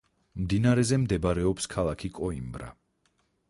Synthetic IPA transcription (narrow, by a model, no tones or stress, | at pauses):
md̪inaɾɛzɛmd̪ɛbɾɛɔpskʰalˠakʰikʼɔimbɾa̰